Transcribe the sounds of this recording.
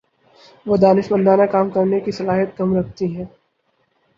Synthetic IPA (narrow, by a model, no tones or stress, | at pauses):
ʋoːd̪aːnɪʃbə̃nd̪aːnakaːmkɐɾnekisɐlaːɦət̪̚kɐmɾɐk̚ʰt̪iɦɛ̃ː